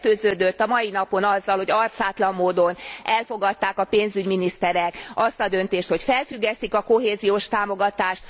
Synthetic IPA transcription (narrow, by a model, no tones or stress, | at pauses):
t̪øːzøːd̪øt̪ːɒmɒjinɒpo̞nɒzːɒlho̞ɟɒrt̪saːt̪lɒmːoːd̪o̞nɛlfo̞ɡɒt̪ːaːkɒpeːnzyɟminist̪ɛɾɛkɒst̪ɒd̪ønt̪eːʃt̪ho̞cfɛlfyɡːɛst̪ikɒko̞ɦeːzijoːʃt̪aːmo̞ɡɒt̪aːʃt̪